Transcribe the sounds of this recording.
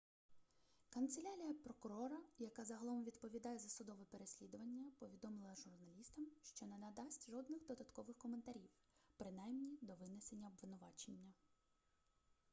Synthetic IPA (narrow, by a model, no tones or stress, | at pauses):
kɐnt̪selʲaɾʲijɐpɾɔkʊɾɔɾɐjɐkɑzɐɦɐlˠɔmʋʲid̪pɔʋʲid̪ɑjɛzɐsʊd̪ɔʋɛpeɾesʲlʲid̪ʊʋɐnʲːɐpɔʋʲid̪ɔmɪlˠɐʒʊrnɐlʲist̪ɐmʃt͡ʃɔnɛnɐd̪ɑsʲtʲʒɔd̪nɪxd̪ɔd̪ɐt̪kɔʋɪxkɔment̪ɐɾʲiw | pɾɪnɑjmnʲid̪ɔʋɪnese̞nʲːɐɔbʋɪnʊʋɑt͡ʃenʲːɐ